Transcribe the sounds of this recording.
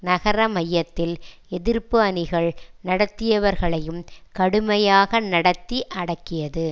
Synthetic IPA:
nɐɣɐɾɐmɐjːɐt̪ːɪl | ɛðɪɾpɯɐnɪɣɐɭnɐɽɐt̪ːɪjɐʋɐɾɣɐɭɐjɯmkɐɽɯmɐjaːɣɐnɐɽɐt̪ːiʔɐɽɐkːɪjɐðɯ

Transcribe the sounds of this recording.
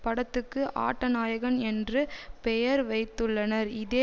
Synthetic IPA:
pɐɽɐt̪ːɯkːɯʔa̰ːʈːɐnaːjɐɣɐnɛndrɯpɛjɐɾʋɐɪt̪ːɯɭːɐnɐɾɪðeː

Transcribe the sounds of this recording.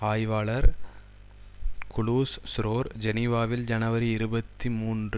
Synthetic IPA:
aːjʋaːɭɐɾ | kʊɭuːssɾoːɾd͡ʒɛniʋaːʋɪld͡ʒɐnɐʋɐɾiɪɾɯbɐt̪ːimuːnr

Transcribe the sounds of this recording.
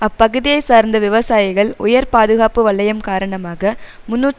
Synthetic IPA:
ɐpːɐɣɯðɪjɐɪsaːɾnd̪ɐʋɪʋɐsaːjɪɣɐɭʊjɐɾpaːðɯɣaːpɯʋɐɭːɐjɐmkaːɾɐɳɐmaːɣɐ | mʊnːuː

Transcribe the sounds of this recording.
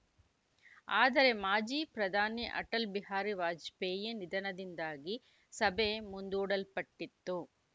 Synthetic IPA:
aːd̪ɐɾe̞maːd͡ʒipɾɐd̪ʱaːniʔɐ̰ʈɐlbiɦaːɾiʋaːd͡ʒpeːjenid̪ɐnɐd̪ind̪aːɡi | sɐbemund̪uːɽɐlpɐʈːit̪ːu

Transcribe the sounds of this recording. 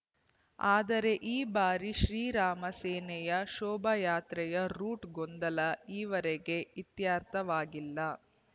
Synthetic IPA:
aːd̪ɐɾe̞ʔiːbaːɾiʃɾiːɾaːmɐseːnɛjɐʃɔːbʱɐjaːt̪ɾɛjɐɾuːʈɡond̪ɐlɐiːʋɐɾeɡe̞it̪jaːɾt̪ʰɐʋaːɡilːɐ

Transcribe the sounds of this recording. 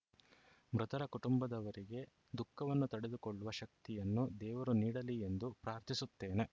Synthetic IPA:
mɾɐt̪ɐɾɐkuʈumbɐd̪ɐʋɐɾiɡe̞ | d̪ukːɐʋɐnːut̪ɐɽe̞d̪ukoɭːuʋɐʃɐk̚t̪ijɐnːud̪ɛːʋɐɾuniːɽɐlie̞nd̪upɾaːɾt̪ʰisut̪ːe̞ːne̞

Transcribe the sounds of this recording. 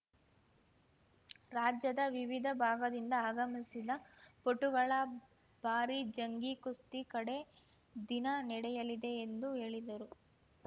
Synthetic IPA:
ɾaːd͡ʒjɐd̪ɐʋiʋid̪ʱɐbʱaːɡɐd̪ind̪ɐaːɡɐmisid̪ɐpoʈːuɡɐɭɐ | b̥ʱaːɾid͡ʒɐŋɡikust̪ikɐɽe̞ | d̪inɐnɛɽɛjɐlid̪e̞ːnd̪uɦe̞ːɭid̪ɐɾu

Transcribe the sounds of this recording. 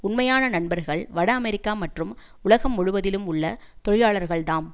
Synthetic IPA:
ʊnmɐjaːnɐnɐɳbɐɾɣɐɭʋɐɽɐːmɛɾɪkːaːmɐʈrɯm | ʊɭɐɣɐmːʊɻɯʋɐðɪlɯmʊɭːɐt̪ɔɻɪjaːɭɐɾɣɐɭt̪aːm

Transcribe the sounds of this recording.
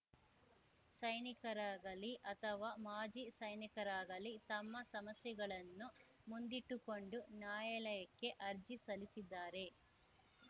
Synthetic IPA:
sɐjnikɐɾaːɡɐliʔɐt̪ʰɐʋaːmaːd͡ʒisɐjnikɐɾaːɡɐlit̪ɐmːɐsɐmɐsjɐɡɐɭɐnːu | mund̪iʈːuko̞ɳɖunjaːjɐlɐjɐkːe̞ʔɐɾd͡ʒisɐlisid̪ːaːɾe̞

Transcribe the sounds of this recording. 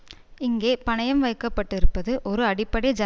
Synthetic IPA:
ɪŋɡeːpɐɳɐjɐmʋɐɪkːɐpːɐʈːɪɾɯpːɐðɯʔɔɾɯɐɽɪpːɐɽɐɪd͡ʒa

